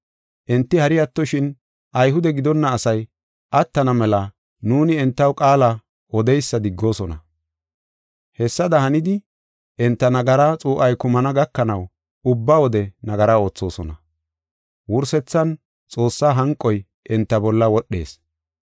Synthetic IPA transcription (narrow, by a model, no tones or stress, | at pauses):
ʔɛnt̪ːɪhɐɾɪjɐt̪ːɔʃɪn | ʔɐjɦʊd̪ɛɡɪd̪ɔnːɐːsɐj | ʔɐt̪ːɐnɐmɛlɐ | nuːnɪɛnt̪ːɐwkʼaːlɐ | ɔd̪ɛjsːɐd̪ɪɡːo̞ːsɔnɐ̰ | hɛsːɐd̪ɐhɐnɪd̪ɪ | ʔɛnt̪ːɐnɐɡɐɾaːt͡sʼuːʔɐjkʊmɐnɐɡɐkːɐnɐw | ʊbːaːwɔd̪ɛnɐɡɐɾao̞ːt͡sːo̞ːsɔ̰nɐ̰ | wʊɾsɛt͡sːɐn | t͡sʼo̞ːsːaːɦɐŋkʼːɔj | ʔɛnt̪ːɐbɔlːɐwɔɗːe̞̰ːs